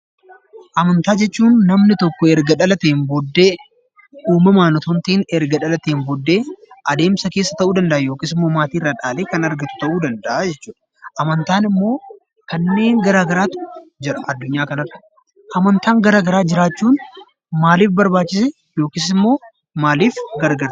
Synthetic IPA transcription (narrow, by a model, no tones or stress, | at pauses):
ʔɐmɐnt̪aːd͡ʒɛt͡ʃːuːnːɐmnɪt̪ɔkːɔɛɾɡɐᶑɐlɐt̪eːnbɔd̪ːe̞ː | ʔuːmɐmaːnɔt̪ɔnt̪iːnɛɾɡɐᶑɐlɐt̪eːnbɔd̪ːe̞ːʔɐd̪e̞ːmsɐke̞ːsːɐt̪ɐʔuːd̪ɐnd̪ɐʔɐjo̞ːkɪːsɪmːo̞ːmaːt̪iːɪrːaːᶑaːleːkɐnɐɾɡɐt̪ʊ̥t̪ɐʔuːd̪ɐnd̪ɐʔad͡ʒɛt͡ʃːuːᶑɐ̥ | ʔɐmɐnt̪aːnɪmːo̞ː | kɐnːe̞ːŋɡɐɾaːɡɐɾaːt̪d͡ʒɪɾɐɐd̪ːʊɲːaːkɐnɐrɐ | ʔɐmɐnt̪aːŋɡɐɾaːɡɐɾaːd͡ʒɪɾaːt͡ʃːuːn | maːliːfbɐɾbaːt͡ʃːɪsɛ | jo̞ːkɪsɪmːo̞ː | maːliːfɡɐɾɡɐɾt̪